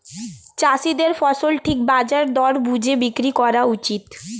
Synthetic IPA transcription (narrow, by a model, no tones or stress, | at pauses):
t͡ɕasid̪eɾfɔsolʈʰik̚bad͡ʑaɾd̪ɔɾbud͡ʑʱebikɾikɔɾaut͡ɕit̪